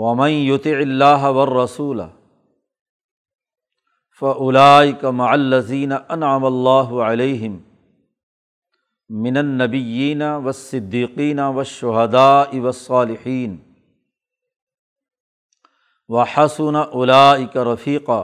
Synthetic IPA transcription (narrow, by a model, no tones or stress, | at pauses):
wɐmanjʊt̪ˤɪʕɪlːaːɦawɐrˤːɑsuːla̰ | faʔʊlaːʔɪkamaʕalːɐziːnaʔɐnʕamalˤːaːɦʊʕaleːɦɪm | ɪnɐnːɐbɪjːiːnawɐsːɪd̪ːiːqiːnawɐʃːʊɦad̪aːʔɪwɐsˤːɑːlɪħiːn | wɐħasʊnaʔʊlaːʔɪkaɾˤɑfiːqaː